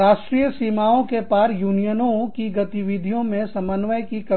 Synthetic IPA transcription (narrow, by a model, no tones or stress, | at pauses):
aːʃʈɾiːjəsiːmaːõkepaːɾjuːnijənõkiɡɐt̪iʋid̪ʱijõmẽsɐmənːʋəjkikɐ